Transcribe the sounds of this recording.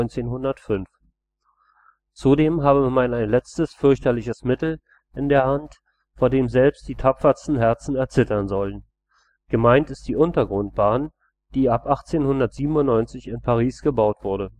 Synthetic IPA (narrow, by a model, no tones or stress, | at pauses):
nt͡seːnɦʊndɐtfʏnf | t͡sudeːmɦaːbəmanaɪnlɛt͡stəsfʏɐçtɐlɪçəsmɪtl̩ | ʔɪndeːɐhant | foːɐdeːmzɛlpst̚d̥iːtʰapfɐstn̩ɦɛɐt͡sn̩ɛɐt͡sɪtɐnzɔlən | ɡ̥əmaɪntɪst̚d̥iːʔʊntɐɡʁʊnt̚b̥aːn | d̥iːapʔaχt͡seːnhʊndɐtz̥iːbm̩ʊnnɔʏnt͡sɪçɪnpʰaʁ̞iːsɡ̥əbaʊtv̥ʊɐɾə